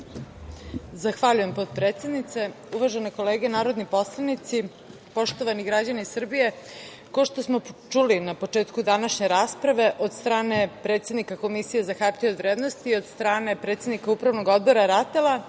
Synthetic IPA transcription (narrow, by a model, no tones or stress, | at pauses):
zaxʋaʎuje̞mpot̪pɾet̪se̞d̪nit̪se̞ | uʋaʒeneko̞leːɡenaːɾo̞d̪nipo̞slˠanit̪si | po̞ʃt̪o̞ʋaniɡɾad͡ʑanisr̩bije̞ | koʃt̪osmo̞t͡ʃulinapo̞t͡ʂeːt̪kud̪anaʃɲe̞ɾaːspɾaʋe̞ʔo̞d̪st̪ɾaːne̞pɾe̞t̪sed̪nikako̞misije̞zaxapt̪iod̪ʋɾe̞ːd̪nost̪iːo̞d̪st̪ɾaːne̞pɾet̪se̞d̪nikaupɾaʋnoɡo̞d̪̚bo̞ɾaɾat̪ela